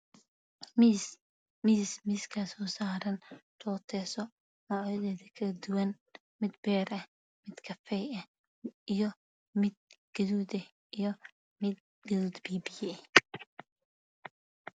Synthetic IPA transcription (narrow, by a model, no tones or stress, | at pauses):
m | miːsmiːskʰɐsɔːsaːɾɐnt̪ʰɔːt̪ʰɛːsɔ | mɔʕɐðɛːðɐkʰɐɐd̪ʊwɐn | mɪd̪̚bɛːɾɐh | mɪd̪kʰɐfɛjɐh | ijɔ | mɪd̪̚ɡ̥ɐðuːd̪ɐ | ijɔ | mɪd̪̚ | ɡɐðuːd̪biːbɪjɛ